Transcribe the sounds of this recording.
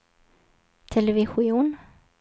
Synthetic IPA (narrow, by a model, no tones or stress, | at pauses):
t̪ʰɛlɛvɪɧʊuːn